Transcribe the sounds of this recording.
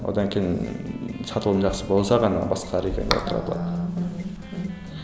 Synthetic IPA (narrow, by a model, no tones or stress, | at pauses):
wo̞̰d̪ɑŋkʲʰejinsɑt̪əlˠd̪nʒɑqsəbo̞lˠsɑʁɑnɑ̰bɑsqɑɾekʰʲenḛo̰t̪ʰɾɑ̰b̪lˠɑ̰d̪